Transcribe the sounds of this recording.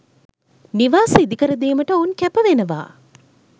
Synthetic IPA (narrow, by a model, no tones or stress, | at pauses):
niʋaːsəid̪ikəɾəd̪eːməʈəoːnkæpəʋenəʋa̰ː